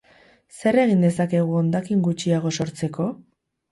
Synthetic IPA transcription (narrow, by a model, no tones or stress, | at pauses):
se̞re̞ɣ̞ind̪e̞sake̞ɣ̞uond̪akiŋɡut͡ʃiaɣ̞o̞so̞ɾt͡se̞ko̞